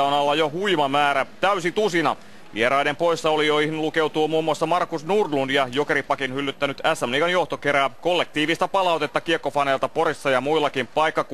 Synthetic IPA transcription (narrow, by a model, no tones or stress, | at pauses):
onɑlːɑjohuimɑmæːɾæt̪æysit̪usinɑ̰ | ʋieɾɑinempo̞isːɑolijoihmlukewt̪uːmuːmːuɑsːɑmɑrkusnurlunjɑjokeɾipɑkinhylːyt̪ːænyt̪æsːæmniːkɑnjoht̪okeɾæːkolːek̚t̪iːʋist̪æpɑlɑut̪e̞t̪ːɑkiekːofɑnelt̪ɑporisːɑjɑmuilːɑkimpɑikːɑku